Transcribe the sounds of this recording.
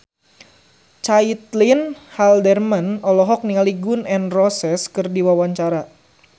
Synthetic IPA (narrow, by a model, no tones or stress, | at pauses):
t͡ʃait̪linhaldɛrmanɔlɔɦɔk̚niŋaliɡʊnɛnrɔsɛskɨrdiwawaɲt͡ʃaɾa